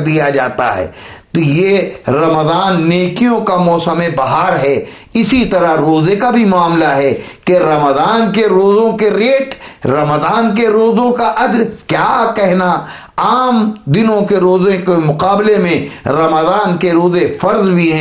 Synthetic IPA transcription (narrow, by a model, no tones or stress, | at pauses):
d̪ijad͡ʒaːt̪a̰ɦɛ̰ː | t̪ojeɾɐmd̪aːnːeːkijõkamɔːsəmẽbɐɦaːɾɦɛː | ɪsit̪ɐɾaɾoːzekabʱimʊaːmlaɦɛkeɾɐmd̪aːnkeɾoːzõkeɾeːʈɾɐmd̪aːnk̬eɾoːzõkaʔɐd̪ɾkjaːkɛɦna | aːmd̪ɪnõkeɾoːzẽkemʊqaːblemẽɾɐməd̪aːnkeɾoːzefɐɾzbʱiɦɛ̃